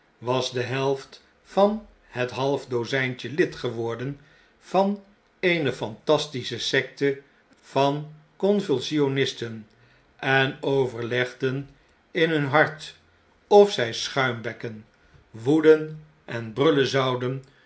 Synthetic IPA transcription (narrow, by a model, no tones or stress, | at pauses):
ʋɑzdəɦɛlˠft | fɑn | hətɦɑlˠvdowzɛjnt͡ʃəlɪtχəʋɔɹdən | v̥ɑn | ejnəfɑntɑstisəsɛk̚tə | v̥ɑn | kɔnvylˠsionɪstən | ʔɛnowvəɹlɛχdən | ɪnɦɵnɦɑɹt | ɔfsɛjsχœɥmbɛkən | ʋudən | ʔɛnbrɵləzɑwdən